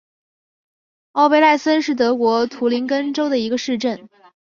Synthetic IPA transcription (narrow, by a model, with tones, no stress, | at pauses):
ɑ˥˧ʊpe˥˧ɪla˥˩ɪsə˥nʂɻ̩˥˩t̪ɤ˧˥kwɔ˧˥t̪ʰu˧˥li˧˥nkə˥nʈ͡ʂo˥ʊd̪ə˨i˧˥ɡə˧ʂɻ̩˥˧ʈ͡ʂə˥˩n